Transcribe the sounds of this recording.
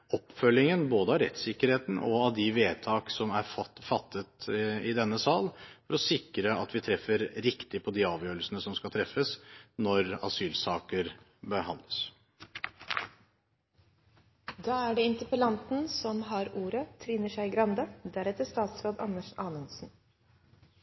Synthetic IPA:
ɔpːfœlːɪŋənboːd̪əɑɾɛ̰t̪sɪkːəɾheːt̪n̩ɔ̰ɑʋd̪ɪʋeːt̪ʰɑːksɔmæɾfɑt̪ʰːət̪ɪd̪ɛnːəsɑːlfɔɾɔsɪkɾəɑt̪ʋɪt̪ʰɾɛfːəɾɾɪkt̪ɪpʰɔd̪ɪɑːʋjøːɾəlsənəsɔmskɑt̪ʰɾɛfːəsnɔɾɑ̰syːlsɑːkəɾ | bəɾɦɑnd̪ləs | d̪ɑːæɖɛɪnt̪əpəlɑnt̪n̩sɔmɦɑɾuːɾət̪ʰɾɪnːəʂæɪɡɾɑnd̪əd̪æɾɛt̪əʂt̪ɑːt̪sɾoːd̪ɑ̰nːəʂɑːnənsn̩

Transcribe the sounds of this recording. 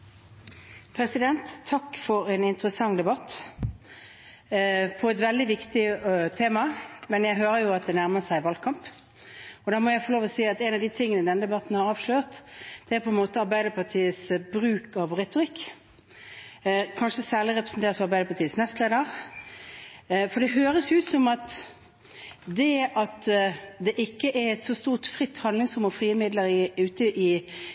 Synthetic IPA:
pʰɾɛsɪd̪ɛnt̪ʰːɑkːfɔɾɛnɪnt̪əʁəsɑŋd̪ɛbɑt̪ː | pʰɔɛt̪ʋɛld̪ɪʋɪkt̪ɪt̪ʰeːmɑmɛnjæɪɦøːɾəjʊɑt̪̚d̪ɛnæʁməsæɪʋɑlkʰɑmp | ɔd̪ɑːmɔjæɪfɔloːʋɔsiːɑt̪ɛnɑʋd̪ɪt̪ʰɪŋːənəd̪ɛnəd̪ɛbɑt̪n̩hɑʁɑːʋʂløːʁt̪d̪̥ɛæːʁpʰɔɛnmoːt̪əɑɾbæɪd̪əpʰɑʁt̪ʰiːəsbʁʉːkɑʋʁɛt̪ʊʁɪkː | kʰɑnʂəsæːʁlɪʁɛpʁəsn̩t̪ʰeːʁt̪fɔɾɑʁbæɪd̪əpʰɑt̪ʰiːəsnɛst̪leːd̪əʁ | fɔd̪ɛɦøːɾəsjʉːt̪sɔmɑt̪ | d̪ɛɑt̪d̪ɛʔɪkːəʔɛʁɛt̪sɔst̪uːʁt̪fʁɪt̪ːhɑnɪŋsʊmɔfʁiːəmɪd̪ləɾɪʉːt̪əʔɪ

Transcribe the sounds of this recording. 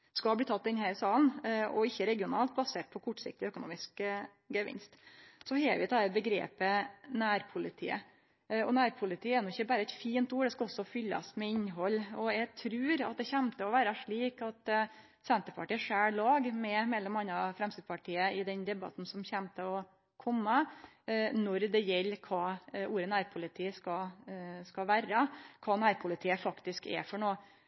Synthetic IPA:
skɑlbliːt̪ʰɑt̪̚ːd̪ɛnhæɾsɑːlənɔ̰ɪçːəɾɛɡɪʊnɑːlt̪̚bɑseːʈ̚pʰɔkʰʊʈːsɪ̰k̚t̪ɪœkʊnṵːmɪsk | ɡəʋɪ̰nst̪sɔhɛːʋɪt̪ʰɑːɛbəɡɾḛːpənæːɾpʰʊlɪt̪ʰḭːə̰ | ɔnæːɾpʰʊlɪt̪ʰiːəɛɾnɔɪçːəbæːɾəɛt̪fiːnt̪uːɖ̪ɛskɑɔsːɔfʏlːɑ̰smɛɪɲɦɔlːɔjɛɡt̪ʰɾʉːɾɑ̰t̪̚d̪ɛçɛmt̪əɔʋæːɾɑʂɭiːkɑt̪ | sɛnt̪əɾpʰɑʈiːʂæːlɑːɡmɛmɛlːɔmɑnːɾɑfɾɛmst̪ɪd̪̚pʰɑʈʰiːəɪd̪ɛnd̪ɛbɑ̰t̪n̩sɔmçæmt̪ʰəɔ | kʰɔmːɑ | nɔɾd̪ɛjɛlːkʰɑːuːɾənæːɾpʰʊlɪt̪ʰiːəskɑskɑʋæːɾəkʰɑːnæːɾpʰʊlɪt̪ʰiːəfɑkt̪ɪskɛ̰fɔɳoː

